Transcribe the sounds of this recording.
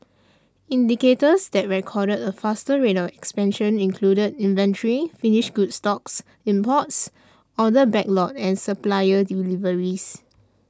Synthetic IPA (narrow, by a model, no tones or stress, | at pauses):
ĩndiketəsdɛt̚ɹɛkʰɔɾədəfastəɹetɔfɛkspɛ̃nʃə̃nĩnkʰludədĩnvɛ̃ntɹifiniʃɡudstɔks | ĩmpɔts | ɔdəbɛk̚lɔt̚ɛ̃nsəplajədilivəɹis